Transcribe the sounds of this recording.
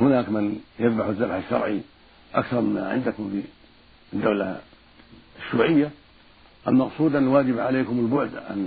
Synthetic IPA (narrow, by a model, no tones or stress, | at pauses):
hʊnaːkmɪnjaðbaħzðːabħaʃːɑ̰ɾˤʕḭ | ʔa̰kθɑɾˤmɪma̰ʕɪ̰nd̪akʊmfi | d̪ːawla̰ | ʃːuːʕɪjːa | ʔalmɑqsˤuːd̪ʔanːalwaːd͡ʒɪbʕaleːkʊmɪlbʊʕd̪ʕa̰n